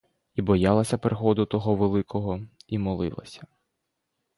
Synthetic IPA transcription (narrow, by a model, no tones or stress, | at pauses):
ibɔjɑlˠɐsʲɐpɾexɔd̪ʊt̪ɔɦɔʋelˠɪkɔɦɔimɔlˠɪ̰lˠɐ̰sʲɐ̥